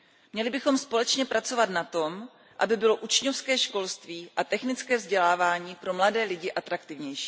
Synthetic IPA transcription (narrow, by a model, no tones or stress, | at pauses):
mɲɛlɪbɪxo̞mspo̞lɛt͡ʃɲɛpɾat͡so̞vat̪nat̪o̞m | ʔa̰bɪbɪlo̞ʔut͡ʃɲofskɛːʃko̞lst̪viːʔat̪ɛxnɪt͡skɛːvzɟɛlaːvaːɲiːpɾo̞mladɛːlɪɟɪʔat̪ɾakt̪ɪvɲɛjʃi̥ː